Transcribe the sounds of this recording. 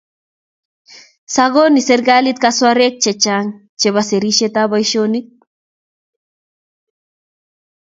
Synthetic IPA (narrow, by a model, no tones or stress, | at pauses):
saɣoniseɾɣalit̪̚kaswaɾek̚t͡ʃet͡ʃaŋ | t͡ʃeβaseɾiʃet̪aβajʃonik̚